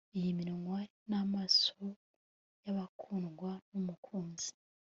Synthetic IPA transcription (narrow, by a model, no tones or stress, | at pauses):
ijimiɾoŋwa | namaso | jaβakʰuːnɡwanumukʰuːnzi̥